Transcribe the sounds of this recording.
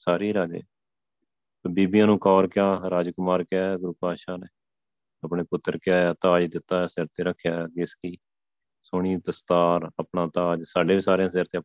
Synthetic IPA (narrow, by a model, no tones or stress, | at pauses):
saːɾiːɾaːd͡ʒḛː | t̪oːbiːbijãːnũːkɔːɾkjaːɾaːd͡ʒkʊmaːɾkɪjaːɡʊɾʊpaːʃaːneː | əpɳeːpʊt̪ːəɾkɪjaːjaːt̪aːd͡ʒd̪ɪt̪ːaːsɪɾt̪eːɾəkʰːjaːɡɪskiː | sʊɳiːt̪əst̪aːɾəpɳaːt̪aːd͡ʒsaːɖeːʋiːsaːɾeãːseɾt̪e